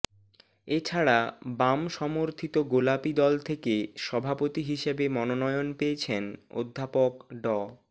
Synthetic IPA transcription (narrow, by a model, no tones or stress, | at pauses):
et͡ɕʰaɽabamʃɔmoɾt̪ʰit̪oɡolapid̪ɔlt̪ʰekeʃɔbʱapot̪iɦiʃebemɔnonɔjonpeet͡ɕʰeno̰d̪ʱːapokɖɔ